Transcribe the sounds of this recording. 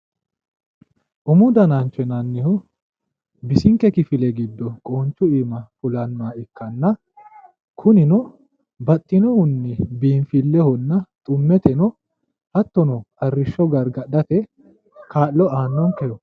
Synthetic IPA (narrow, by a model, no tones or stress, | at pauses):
ʔʊmʊd̪ɐnant͡ʃːɛnɐnːɪhɔ | bɪsɪŋkːɛkɪfɪlɛɡɪd̪ːɔkʼoːnt͡ʃːʊiːmɐfʊlɐnmaːɪkːɐnːɐ | kʰʊnɪnɔ | bɐt̪ʼːɪnɔhʊnːɪbiːnfɪlːɛhɔnːɐt̪ʼʊmːɛt̪ɛnɔ | hɐt̪ːɔnɔɐrːɪʃːɔɡɐɾɡɐɗɐt̪ɛ | kʰaːʔlːɔaːnːɔŋkɛjɔ